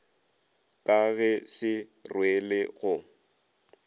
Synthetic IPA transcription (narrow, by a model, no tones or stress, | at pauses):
kʼaɣɛsɪrwelɪɣʊ